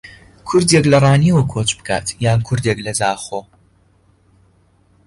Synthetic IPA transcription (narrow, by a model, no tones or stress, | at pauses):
kʰʊɾd̪eklɐrˤaːniwɐkʰoːt͡ʃbɨkʰa̰ːt̪ʰjaːnkʰʊɾd̪eːklɐzaːχoː